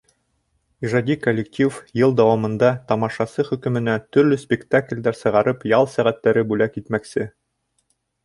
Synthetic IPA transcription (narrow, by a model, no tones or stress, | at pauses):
iʐɑd̪ʲikolʲːɪktʲifjɤlˠd̪æwɑmɤ̆nd̪ɑt̪ɑmɑʃɑsɤχɵ̆kɵ̆mɘ̆næt̪ɵ̆ɾlɵspʲɪkt̪aklʲd̪æɾsɤ̆ʁɑɾɤpjɑlˠsæʁæt̪ːæɾɘbʉlækit̪mæksɘ